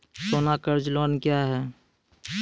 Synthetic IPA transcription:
soːnakəɾd͡ʒloːnkjaɦɛː

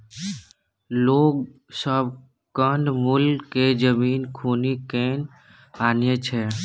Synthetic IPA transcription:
loːɡ | səb | kənmulked͡ʒəmiːnkʰuːnikeːn | aːnjət͡ʃʰɛ

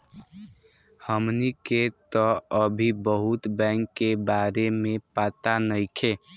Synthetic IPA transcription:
həmniket̪ɔəbʱibəɦut̪bɛ̃ŋkːebaɾemepat̪anəɪkʰe

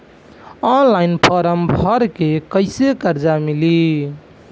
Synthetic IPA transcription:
ɔnlainpʰəɾəmbʱəɾkekəɪsekəɾd͡ʒamili

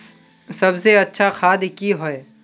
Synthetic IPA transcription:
sɐbseɐtːʃʰaxʰaːd̪kiɦoe

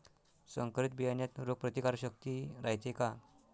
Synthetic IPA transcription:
səŋkɾit̪̚bijanjat̪ɾoɡ̚pɾət̪ikaɾɕək̚t̪iɾajt̪ʰeka

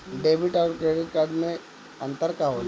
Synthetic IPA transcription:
ɖebiʈawʈ̚kɾeɖiʈkaɖme | ənt̪əɾkaʋol

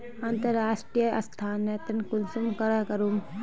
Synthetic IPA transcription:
ɐnt̪ɐɾːaːʂʈɾijəɐ̰st̪ʰaːnːet̪ɐnkulsumkɐɾɐkɐɾum

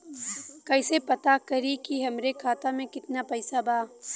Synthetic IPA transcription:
kɐɪsepɐt̪akɐɾikiɦɐmɾekʰaːt̪amẽkɪt̪napɐɪsabaː

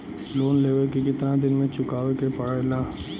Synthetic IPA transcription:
loːnleːʋəɾkekɪt̪nad̪ɪnmẽt͡ʃʊkaːʋekepɐɽalaː

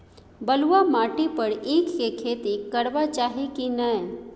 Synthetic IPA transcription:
bəluamaːʈipəɾeːkːekʰeːt̪ikəɽbat͡ʃaːɦikinəe

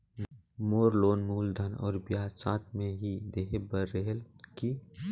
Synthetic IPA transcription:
moːɾloːnmuːld̪ʱɐnɔ̰ːɾbjaːsaːt̪̚mẽɦid̪eːɦebəɾːeɦəlki

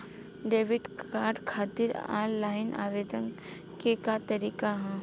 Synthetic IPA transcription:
ɖeːʋɪɖkaːɾɖkʰaːt̪iɾa̰ːllaːɪnʔa̰ːʋeːd̪ən | kekat̪ɐɾiːkaɦɛ̃

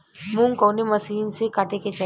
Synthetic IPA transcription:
mũŋkoːnemɐsiːnsekaːʈeket͡ʃɐ

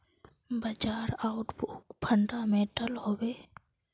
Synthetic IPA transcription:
bəd͡ʒaːɾaʊʈbukpʰəɳɖameʈəlhoːbeː

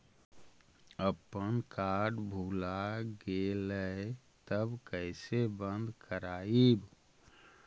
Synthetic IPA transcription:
əpənkaɾɖbʱuːlaɡelə | t̪əbkəɪsebə̃nd̪ʱkəɾaːib

